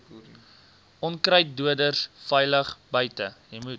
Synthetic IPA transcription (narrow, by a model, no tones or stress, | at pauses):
ʔɔnkrəjt̚duədərsfɛjləχbəjtəjəjmut